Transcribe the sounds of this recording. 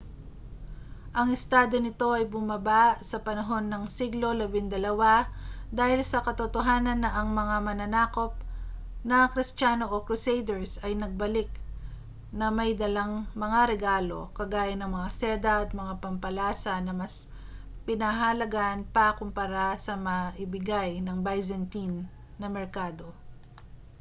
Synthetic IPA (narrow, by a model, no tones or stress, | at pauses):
ʔɐŋɪst̪aːd̪o̞nɪt̪o̞ʔɐjbʊmɐbasɐpɐnɐɦo̞nːɐŋsiɡlo̞lɐbɪnd̪ɐlɐwad̪aːhɪlsɐkɐt̪ot̪oɦaːnɐnːɐʔɐŋmɐŋamɐnɐnaːko̞p̚ | nɐkɾɪst͡ʃaːnoʔokɾʊsejd̪ɛɹsɐjnɐɡ̚bɐlɪk̚ | nɐmɐjd̪ɐlaŋmɐŋaɾɛɡaːlo̞̰kɐɡaːjɐnɐŋmɐŋasɛd̪ɐʔɐt̪̚mɐŋapɐmpɐlaːsɐnɐmɐs | pɪnɐɦɐlɐɡaʔnpɐkʊmpɐɾasɐmɐʔɪbɪɡajnɐŋbajzɐnt̪inː | ɐmɛɹkaːd̪o̞